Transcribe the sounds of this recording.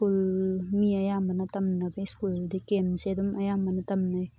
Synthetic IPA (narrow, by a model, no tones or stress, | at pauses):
kulmiɐjamɐnɐtɐmnɐbeskuldikemzedumʔɐjamɐnɐtɐmnaj